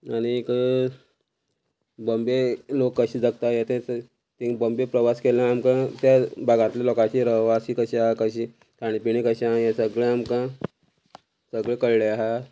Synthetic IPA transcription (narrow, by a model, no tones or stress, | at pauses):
aɽ̃ikə | bəmbelokːəɕiːd͡zaɡt̪ajet̪ʰẽt͡s | t̪ĩbəmbepɾəʋaskelãːmkãt̪jabʱaɡãt̪ljalɔkat͡ɕiɾəʋasikəɕiaɦakəɕiː | k̪aɽ̃ipiɽ̃ĩkəɕaɦãjãsəɡɭẽamkã | səɡɭekəɭɭeaɦa